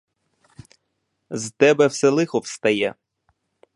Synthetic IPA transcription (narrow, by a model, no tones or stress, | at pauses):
zt̪ɛbɛwsɛlˠɪxɔwst̪ɐjɛ